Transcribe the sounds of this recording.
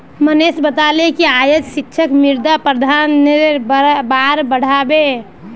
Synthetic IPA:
mənesbət̪alekeajod͡ʒsikːʃʰəkmiɾd̪apɾəd̪ʱan | baɾbəɽ̤abe

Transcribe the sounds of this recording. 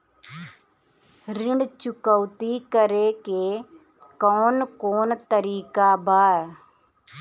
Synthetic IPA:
ɾɪɳt͡ʃʊkəʊt̪iːkəɾeːke | kɔːnkoːnt̪əɾiːkaːbaː

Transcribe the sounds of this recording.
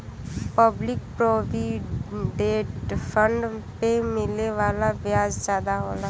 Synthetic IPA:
pəblɪk̚pɾoːbiɖeːʈpʰəɳɖpemɪleʋaːlabjaːd͡ʒzjaːd̪aɦoːlaː

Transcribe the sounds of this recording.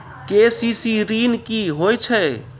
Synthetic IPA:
kesisiɾinkiɦojt͡ʃʰɛ

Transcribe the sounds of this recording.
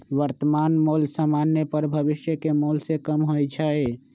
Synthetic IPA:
ʋəɾt̪əmanmolsamanːjepəɾbʱəβiʃjəkemolsekəmɦojt͡ʃʰəe

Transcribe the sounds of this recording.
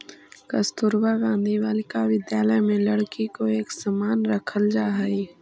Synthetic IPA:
kɐst̪ʊɾbaɡãːnd̪ʱiʋaːlɪkaʋɪd̪jaːləjmẽlɐɽkikoeːksɐmaːnɾɐkʰəld͡ʒaːɦəi

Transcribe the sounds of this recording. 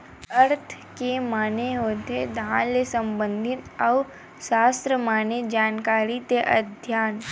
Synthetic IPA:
əɾt̪ʰ | kemaːneɦoːt̪ed̪ʱãːlesə̃mbə̃nd̪ʱɪnɐʊ | ʃaːst̪ɾəmaːned͡ʒaːnkaːɾit̪eʔɐ̰d̪ʱjaːn

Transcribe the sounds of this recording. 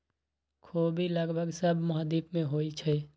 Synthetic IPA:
kʰobʱiləɡbʱəɡsəbʱmʊɦd̪iːpmẽɦoːit͡ʃʰɛ

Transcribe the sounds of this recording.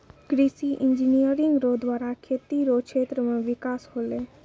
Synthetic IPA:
ɡɾisiʔɪɲd͡ʒinijəɾĩŋɡɾod̪ʋaːɾakʰeːt̪iɾokʃeːt̪ɾəmẽʋɪkaːshoːle

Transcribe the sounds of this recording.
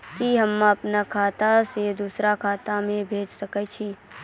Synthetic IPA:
kiɦəmːãəpnakʰaːt̪ased̪uːsɾakʰaːt̪amẽbʱeːd͡ʒsəkɛt͡ʃʰi

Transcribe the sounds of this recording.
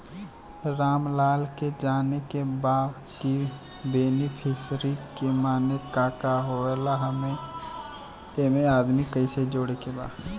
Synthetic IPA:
ɾaːmlaːlked͡ʒaːnekebaː | ki | beːnipʰɪsɾikemaːnekaːkaɦoelaɦəmẽ | emeaːd̪mikəised͡ʒoːɽekeba̰ːd

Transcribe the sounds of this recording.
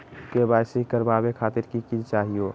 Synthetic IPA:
kebaːsikəɾbaːbekʰaːt̪ɪɾkikit͡ʃaːɦioː

